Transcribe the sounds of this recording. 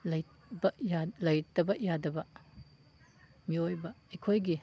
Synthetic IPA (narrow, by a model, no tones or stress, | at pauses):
lɐj | bɐjalɐjtɐbɐjadɐbɐ | miojbɐikʰojɡi